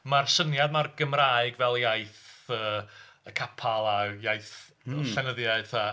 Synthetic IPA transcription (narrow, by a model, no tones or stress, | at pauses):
marsənjadmarɡəmraːɨɡvɛlˠjajθəːəkʰapʰalˠajajθ | ɬɛnəðjaɨ̥θa